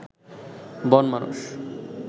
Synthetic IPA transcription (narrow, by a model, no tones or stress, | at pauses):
bɔnmanṵʃ